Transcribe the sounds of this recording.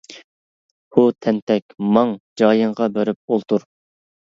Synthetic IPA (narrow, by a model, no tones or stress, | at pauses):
ut̪ʰɛnt̪ʰɛkʲmɑŋd͡ʒɑːjəɴʁɑbeɾɪp̚olˠt̪ʰuɾ